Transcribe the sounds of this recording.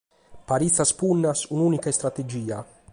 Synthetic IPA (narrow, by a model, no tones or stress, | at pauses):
paɾit̪saspunːasunuːnikaest̪ɾat̪ed͡ʒiːa̰